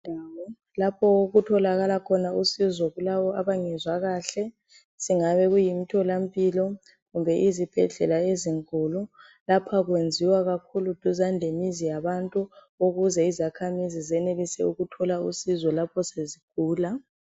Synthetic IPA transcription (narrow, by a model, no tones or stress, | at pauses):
ndʱaːwɔ | lapʰɔoɣutʰɔlaɣalakʰɔnausizɔɣulaβɔaβaŋɛzwaɣaɬɛ | siŋaβɛɣujimitʰɔlam̩pʼilɔ | ɣumbʱɛʔizib̥ʱɛ̰ɮɛ̰laeziŋkʼulu | lapʰaɣwend͡zʱiwaɣakʰulud̥ʱuzandʱemizijaβantʼu | oɣuzɛizakʰamizizɛnelisɛuɣutʰɔlausizɔlapʰɔseziɡ̥̚ʱuːla